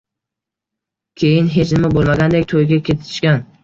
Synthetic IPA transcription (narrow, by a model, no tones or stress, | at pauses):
kʲʰe̞jɪnɦe̞t͡ʃʰnɪmabolˠmaɡʲand̪ekʲt̪ʰojɡʲakʲʰe̞t̪ʰɪ̥ʃkʲan